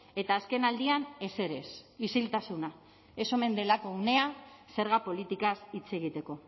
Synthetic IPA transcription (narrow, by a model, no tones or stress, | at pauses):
e̞t̪aːske̞nald̪iane̞se̞ɾe̞sisilt̪asuna | e̞so̞me̞nd̪e̞lako̞une̞a | se̞ɾɣapo̞lit̪ikasit͡se̞ɣit̪e̞ko̞